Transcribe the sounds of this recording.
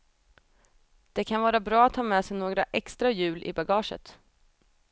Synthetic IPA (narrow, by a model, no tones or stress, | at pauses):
d̪̥ɛkʰanvɑːɾabɾɑːat̪hɑːmɛsɛjnoːɡɾaʔɛkst̪ɾajʉ̟ːlʔɪ̰baɡɑːʂə̰t̪